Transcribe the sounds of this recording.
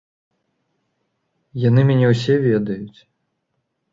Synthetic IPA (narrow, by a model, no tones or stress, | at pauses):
janɨmʲanʲɛws̬ʲɛvʲɛd̪ɐjut͡sʲ